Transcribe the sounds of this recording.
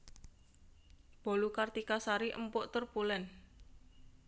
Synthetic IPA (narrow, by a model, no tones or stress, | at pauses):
b̥o̤lukart̪ikasaɾiʔə̰mpʊʔt̪ərpulɛn